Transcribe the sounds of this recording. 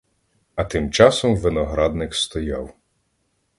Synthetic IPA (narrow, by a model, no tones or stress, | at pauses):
ɐt̪ɪmt͡ʃɑsɔmʋɪnɔɦɾɑd̪nɪkst̪ɔjɑw